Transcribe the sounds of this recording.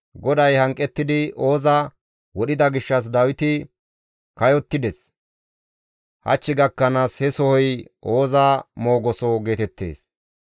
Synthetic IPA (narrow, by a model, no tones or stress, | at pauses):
ɡɔd̪ɐjhɐŋkʼːɛt̪ːɪd̪ɪʔo̞ːzɐ | wɔɗɪd̪ɐɡɪʃːɐs̬d̪ɐwɪt̪ɪ | kɐjɔt̪ːɪd̪ɛs | hɐ̰t͡ʃːɪɡɐkːɐnaːshɛsɔhɔjʔoːzaːmo̞ːɡɔsɔɡe̞ːt̪ɛt̪ːe̞̰ːs